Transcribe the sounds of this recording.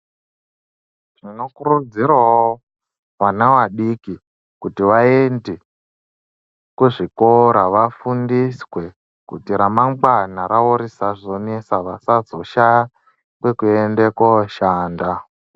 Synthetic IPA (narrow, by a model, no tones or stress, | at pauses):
ʐino̞kurud͡ziɾwao | ʋanawaɗiki | kutiʋaende | kuʐikoɾaʋafundiswe̞ | kutiɾamaŋɡwanaɾauɾisaʐo̞nesaʋasad͡zo̞ʃaja | kwe̞kuendekwoʃaːnda